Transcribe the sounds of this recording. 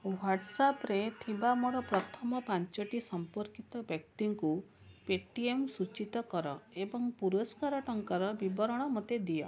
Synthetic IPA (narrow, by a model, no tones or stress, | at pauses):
waʈsapɾet̪ʰibamɔɽɔpɾɔt̪ʰɔmɔpant͡ʃɔʈisɔmpɔɾkit̪ɔbjɔk̚t̪iŋku | peʈiemsut͡ʃit̪ɔkɔɾɔebɔŋpuɾɔskaɾɔʈɔŋkaɾɔbibɔɾɔɽ̃ɔmot̪ed̪ijɔ̰